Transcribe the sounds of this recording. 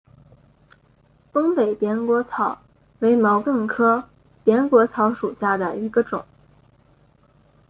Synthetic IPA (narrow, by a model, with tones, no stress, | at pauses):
t̪ɤ˥ŋpe˨˩ɪpjɛ˧˥nkwɔ˧˥t͡sʰɑ˨˧˥ʊ | we˧˥ɪmɑ˧˥ʊt̪ə˥˩ŋkʰɤ˥ | pjɛ˧˥nkwɔ˧˥t͡sʰɑ˧˥ʊʂu˨˩ɕja˥˩d̪ə˩i˧˥ɡə˧ʈ͡ʂʊ̰˨˩˦ŋ